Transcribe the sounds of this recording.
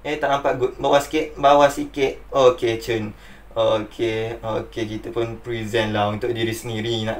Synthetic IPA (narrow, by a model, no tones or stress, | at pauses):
et̪aʔampaʔɡut̪̚bawasi̥kɪt̪̚bawasikɪt̪̚oket͡ʃən | ookʰeokekit̪əpʊnpɾizɛ̃nlahunt̪ʊʔdiɾisəniɾinaʔ